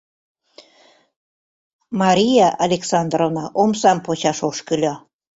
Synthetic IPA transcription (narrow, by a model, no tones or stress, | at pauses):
mɑɾʲijɑʔɑlʲeksɑnd̪rovnɑʔomsɑmpot͡ɕɑʃoʃkəlʲo